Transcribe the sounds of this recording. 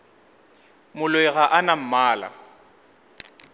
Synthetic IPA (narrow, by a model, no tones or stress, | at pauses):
mʊlwɛɣaʔanam̩maːla̰